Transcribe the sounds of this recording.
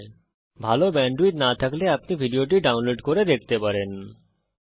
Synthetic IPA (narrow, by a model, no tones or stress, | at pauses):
bʱalobɛɳɖuit̪nat̪ʰakleapnibʱiɖijoʈ̬iɖawnloɖkoɾed̪ek̚ʰt̪epaɾen